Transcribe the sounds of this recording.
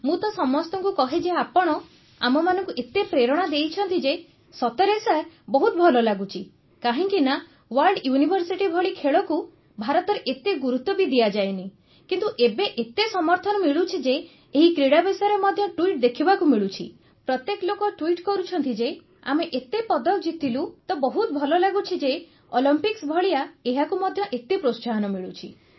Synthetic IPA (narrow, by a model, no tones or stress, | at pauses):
mũt̪ɔsɔmɔst̪ɔŋkukɔɦed͡ʒeapɔɽ̃ɔ | amɔmanɔ̃ŋkuʔet̪epɾeɾɔɽ̃ad̪ejt͡ʃʰɔnt̪id͡ʒe | sɔt̪ɔɾesabɔɦut̪ɔbʱɔlɔlaɡut͡ʃʰi | kaɦiŋkina | waɾlɖjunibʱɔɾsiʈibʱɔɭikʰeɭɔku | bʱaɾɔt̪ɔɾeʔet̪eɡuɾut̪ːɔbid̪ijad͡ʒajni | kint̪uʔebeʔet̪esɔmɔɾt̪ʰɔnɔmiɭut͡ʃʰid͡ʒe | eɦikɾiɽabesaɾemɔd̪ʱjɔʈuiʈ̚d̪ekʰibakumiɭut͡ʃʰḭ | pɾɔt̪jeklokɔʈuiʈkɔɾut͡ʃʰɔnt̪id͡ʒe | a̰meʔet̪epɔd̪ɔkd͡ʒit̪ʰːilut̪ɔbɔɦut̪̚bʱɔlɔlaɡut͡ʃʰid͡ʒe | olimpiksbʱɔɭiaeɦakumɔd̪ʱjɔʔet̪ipɾossaɦɔnɔmiɭut͡ʃʰḭ